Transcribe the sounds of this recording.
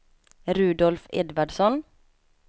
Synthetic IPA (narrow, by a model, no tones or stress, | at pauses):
ɾʉːd̪ɔlfɛ̰d̪ʋaɖsɔn